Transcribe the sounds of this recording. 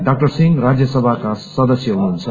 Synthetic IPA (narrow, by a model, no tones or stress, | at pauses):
ɖak̚ʈʌrsiŋɡrad͡zjʌsʌbʱakasʌd̪ʌsjʌɦunuɦunt͡sʰʌ